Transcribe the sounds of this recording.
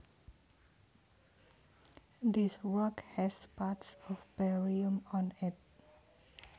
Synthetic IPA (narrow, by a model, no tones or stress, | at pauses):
d̪iswəkhɛspatsɔfbɛɹiə̃mɔ̃nit̚